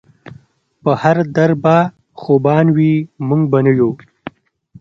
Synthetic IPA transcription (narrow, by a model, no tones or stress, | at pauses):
pəhaɾd̪aɾba | xobɑːnwimuŋɡ̚banɐjo